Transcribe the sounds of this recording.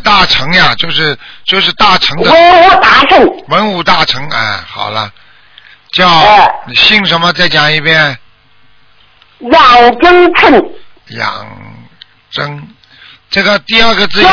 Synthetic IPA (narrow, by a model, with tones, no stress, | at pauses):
t̪a˥˩ʈ͡ʂʰɤ˧˥ŋja˧t͡ɕjo˥˧ʊʂɻ̩˥˧t͡ɕjo˥˧ʊʂɻ̩˥˧t̪a˥˩ʈ͡ʂʰɤ˧˥ŋd̪əə˧˥nu˧˥t̪a˧˥ʂʰə˥˩wə˧˥nu˨˩t̪a˥˩ʈ͡ʂʰɤ˧˥ŋə˥˩xɑ̰˨˩ʊlə̰˦ | t͡ɕjɑ˥˩ʊ˥˩˨ɕi˥˩ŋʂə˧˥nmə˧t͡sa˥˩ɪt͡ɕjɑ˨˩ŋi˥˧pjɛ˥n | jɑ˨˩ŋʈ͡ʂə˥ŋt͡sʰə˥˩n | jɑ̰˨˩ŋ | ʈ͡ʂə˥ŋ | ʈ͡ʂɤ˥˩ɡə˩t̪i˥˧ɐ˞˥˧ɡə˧t͡sɹ̩˥˧